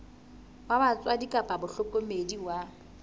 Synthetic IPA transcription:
waban̩t͡sʼwadikʼapʼabʊɬʊkʼomediwa

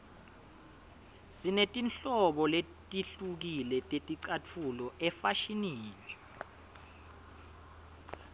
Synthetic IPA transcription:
zinetʼinɬɔɓɔle | tʼiɬuk̬ilɛtʼetʼiǀat͡fʰulɔɛfaʃiniːlwɛ

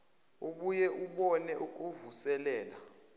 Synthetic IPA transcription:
uɓujɛʔuɓɔnɛʔuk̬ʼuvusɛlɛːla

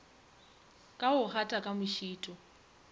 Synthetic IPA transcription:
kʼaʊχʰatʼakʼamʊʃiːtʼɔ

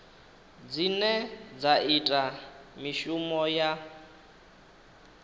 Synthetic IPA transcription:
d͡zinɛd͡zaitʼamiʃumɔja

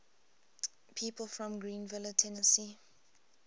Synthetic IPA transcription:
pʰiːpʰəlfɹɔ̃mɡɹĩːnvɪlətʰɛnəsi

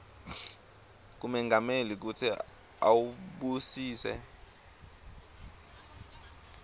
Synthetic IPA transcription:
k̬umɛŋɡʱamelik̬utʰi | a̰wuɓusiːsɛ̰

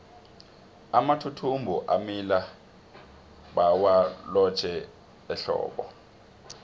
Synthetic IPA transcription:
amatʰutʰumbʱuʔamila | ɓawalɔt͡ʃʰɛ | ɛɬɔ̰ːɓɔ

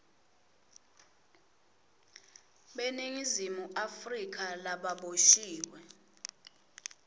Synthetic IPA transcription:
ɓeniŋizimuʔafrik̬ʰʼalaɓaɓoʃiːwɛ

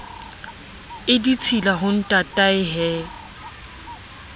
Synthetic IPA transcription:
ɪdit͡sʰilaɦʊn̩tʼatʼaɪɦɛː

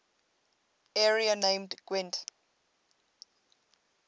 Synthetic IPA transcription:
ɛɹianẽmdɡ̥wɛ̃nt

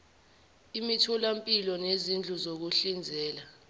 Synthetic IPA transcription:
imitʰɔlampʼilɔnezind͡ɮʱuzok̬uɬind͡zʱɛːla

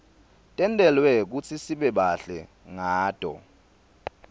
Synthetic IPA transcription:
tʼɛntʼɛlwɛk̬ut͡sʰisiɓɛɓaɬɛ | ŋaːd̥ʱɔ̰

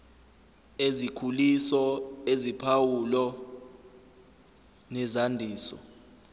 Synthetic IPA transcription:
ezikʰulisɔezipʰawulɔ | nɛzandʱiːsɔ̰

